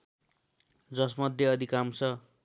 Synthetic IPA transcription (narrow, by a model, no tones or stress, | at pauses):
d͡zʌsmʌd̪ʱjeʌd̪ʱikamt͡sʰʌ